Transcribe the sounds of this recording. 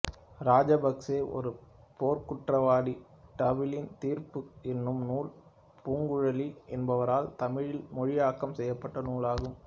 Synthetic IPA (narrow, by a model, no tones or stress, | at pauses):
ɾaːd͡ʒɐbɐkseːʔɔ̰ɾɯ | poːɾkʊʈrɐʋaːɽi | ʈɐʋɪlɪnt̪iːɾpɯɛnːɯmnuːl | puːŋɡɯɻɐliɛnbɐʋɐɾaːlt̪ɐmɪɻɪlmɔɻɪjaːkːɐmsɛjːɐpːɐʈːɐnuːlaːɣɯm